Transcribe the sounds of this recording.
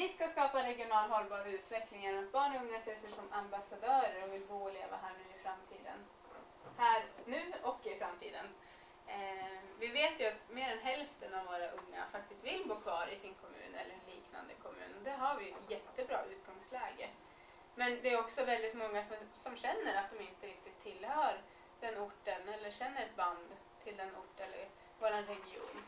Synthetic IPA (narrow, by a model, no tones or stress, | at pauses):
ɪskaskɑːpaɾɛɡɪʊnɑːlɦɔlːbɑːɾaʉ̟ːt̪vɛklɪŋaɾat̪̚bɑːɳɔɵŋːasɛsɛsɔmambasad̪œːɾəɾɔvɪlɡoːleːva̰ɦæːɳʉ̟ːɪfɾamt̪ʰḭːd̪ə̰n | hæːɾnʉ̟ːɔkːɪfɾamt̪ʰḭːd̪ən | vɪveːt̪jɵat̪meːɾɛnɦɛlft̪ənavvːoːɾaʔɵŋːa̰fak̚t̪ɪst̪vɪlboːkʰvɑːɾɪsɪnkʰɔmʉ̟̰ːnɛ̰lːəɾɛnliːkna̰nd̪əkʰɔmʉ̰ːnɔd̪ɛɦaɾvɪɛt̪jɛt̪ːəbɾɑ̰ːʔʉ̟ːt̪ɡɔŋslɛːɡə | mɛnd̪ɛːjɔksɔvɛld̪ɪt̪mɔŋːasɔmsɔmɕɛnːəɾat̪̚d̪ɔmɪnt̪əɾɪk̚t̪ɪt̪ʰːɪlːhœːɾ | d̪̥ɛnːʊʈːənɛlːəɕɛnːəɾɛt̪̚band̪ | t̪ʰɪld̪ɛnʊʈːɛlːə̰ɾ | voːɾanɾɛɡɪṵːn